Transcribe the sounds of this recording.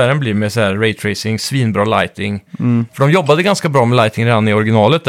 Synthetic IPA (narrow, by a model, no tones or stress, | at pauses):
æːɾənblɪɾmɛsɔhæːɾɾɛɪt̪ʰɾɛɪsɪŋsviːnbɾɑːla̰ɪt̪ɪŋfœɖɔmjɔbːad̪əɡanskabɾɑːmɛlaɪt̪ɪŋɾeːd̪anɪɔɾɡɪnɑːlət̪̚d̪